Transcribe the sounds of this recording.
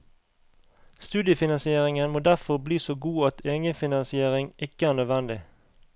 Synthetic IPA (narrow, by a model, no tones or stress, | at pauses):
st̪ʉːd̪jəfɪnɑnsɪeːʁɪŋənmoːd̪æʁfɔʁbliːsoːɡuːɑt̪ʰeːŋəfɪnɑnsɪeːʁɪŋɪkəæːʁnøːd̪ʋɛnd̪ɪ